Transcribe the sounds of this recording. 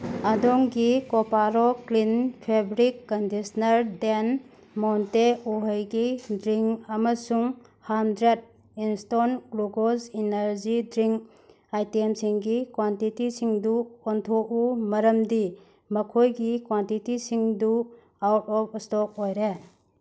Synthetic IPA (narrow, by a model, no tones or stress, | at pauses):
ɐdɔŋɡikɔpaɾɔklinpʰebɾikːɔndisnɐɾden | mɔnteuɦəjɡidɾiŋɐmɐsuŋ | hamdɾed̚ | instonɡluɡozinɐɾd͡ʒidɾiŋk | ajtemsiŋɡikwantitisiŋduɔntʰoʔumɐɾɐmdi | mɐkʰojɡikwantitisiŋdu | awtɔpstɔk̚ojɾe